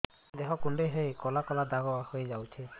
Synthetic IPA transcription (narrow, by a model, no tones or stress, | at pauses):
d̪eɦɔkunɖejɦejkɔlakɔlad̪aɡɔahojd͡ʒawt͡ʃʰi